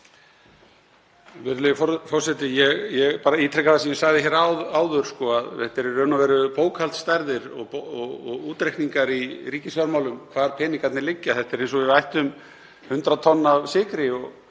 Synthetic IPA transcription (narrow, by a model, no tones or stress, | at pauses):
vɪɾlɪfɔfɔɾ̥sɛt̪ɪjɛɣjɛɣpaːɾaiːt̪ʰɾɛkaθasɛmjɛsaɣðɪçɛːɾaðaːwðʏɾ̥skɔaðɛht̪ɛɾɛɾœnavɛːɾʏpoːwkʰhalt̪st̪ajɾðɪɾɔ̰ɣpɔɣɔɣuːt̪ɾejkniŋkaɾiɾiːcɪsvaɾmawlʏmkʰvaːðɾpʰɛːnɪkʰat̪nɪlɪcːɪaθɛht̪ɛɾejnsɔvɪðvajht̪ʏm | hʏnt̪ɾat̪ʰɔnːavsɪːkɾɪɔɣ